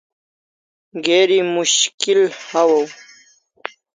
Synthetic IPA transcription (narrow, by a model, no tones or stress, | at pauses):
ɡeːɾimuɕkilhawɐw